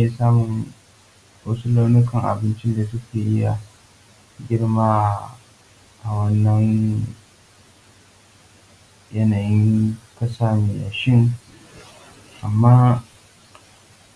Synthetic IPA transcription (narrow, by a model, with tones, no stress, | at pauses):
e˦saː˦mʊ˨ŋ | wɐ˦su˦la˦wnʊ˦kɐ˨ŋʔa̰˨bɪ˦nt͡ʃɪ˦nda˨s̬ʊ˦kʲeː˨ʔɪ˦ja˨ | ɡʲɪ˦ɽmaː˦ | ʔa˨wɐ˦nːɐ˦ŋ | jɐ˦naː˨jɪ˦ŋ˦kɐ˦saː˦neː˨ʔa˨ʃɪ˦ŋ | ʔa˨mːaː˦